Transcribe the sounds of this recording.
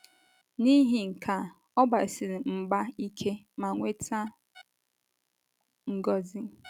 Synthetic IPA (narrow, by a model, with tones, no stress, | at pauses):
ni˦ɦi˨ŋ̩˨kʰa˨ | ɔ˦ba˨sɪ˨ɾi˨m̩˨ɡ͡ba˦i˦kʰe˦ | ma˨ŋʷe˦tʰa˦ | ŋ̩˨ɡɔ˦zi˦